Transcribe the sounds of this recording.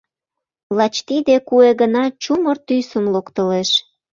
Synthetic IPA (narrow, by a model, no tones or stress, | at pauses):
lɑt͡ɕt̪id̪ekueɣənɑt͡ɕumərt̪ysəmlokt̪əleʃ